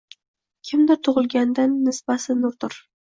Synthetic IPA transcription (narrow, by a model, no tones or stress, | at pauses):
kʲʰɪmd̪ɪt̪ʰʊʁɨlˠɡʲand̪anːɪsbasɪnʊɾt̪ʊɾ